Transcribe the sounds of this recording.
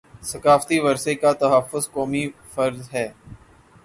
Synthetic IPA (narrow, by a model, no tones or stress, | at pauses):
sɐkaːft̪iʋɐɾsekat̪ɐɦəfːʊzkɔːmifɐɾzɦɛː